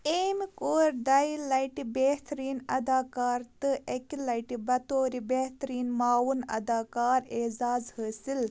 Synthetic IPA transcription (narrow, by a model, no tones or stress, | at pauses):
eːmikoːɾd̪ɐjlɐjʈibeht̪ɾiːnɐd̪aːkaːɾt̪ɨʔekilɐjʈibɐt̪oːɾibeht̪ɐɾiːnmaːwunɐ̰d̪aːkaːɾezaːzhəːsil